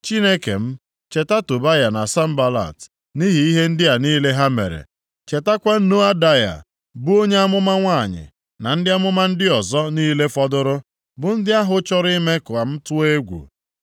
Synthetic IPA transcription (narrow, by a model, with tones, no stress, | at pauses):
t͡ʃi˦ne˦kḛ˨m̩˦ | t͡ʃe˨ta˦tʊ˨ba˦ja˨na˨sa˦m̩˦ba˦la̰˨t | ni˦ɦi˨i˦ɦe˦n̩˦dɪ˦ja˨niː˦le˦ɦa˦mḛ˨ɾḛ˨ | t͡ʃe˨ta˦kʷa˦n̩˦no˦a˦da˦ja̰˨ | bu˦o˦ɲe˦a˦mʊ˦ma˦ŋʷaː˦˨ɲɪ̰˨ | na˨n̩˦dɪ˦a˦mʊ˦ma˦n̩˦dɪ˦ɔ˨zɔ˦niː˦le˦fɔ˦dʊ˦ɾʊ˦ | bʊ˨n̩˦dɪ˦a˦ɦʊ˦t͡ʃɔ˦ɾi˦me˦kʊ˨a˨m̩˦tʊ˦e˦ɡʷṵ˨